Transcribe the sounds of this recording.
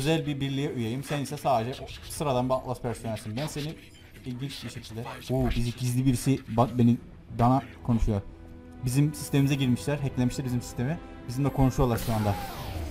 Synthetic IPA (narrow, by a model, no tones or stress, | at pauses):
øzælʲbibiɾlʲijɛʔujajɯmsɛnisɛsaːd̪ed͡ʒɛʔosɯɾad̪anbiaklˠaspʰæɾsonæɾsimbænse̞ni | ilʲɟint͡ʃbiʃe̞cʰilʲd̪ɛuːbiziɟizlʲibiɾisibabe̞ni | d̪anakʰo̞nuʃujo̞ɾ | bizimsist̪ʰe̞mimizɛɟiɾmiʃlʲæɾɦɛclʲemiʃlʲæɾbizimsi̥st̪ʰe̞mɛ | bizimd̪ɛkʰo̞nuʃujolˠaɾʃuand̪a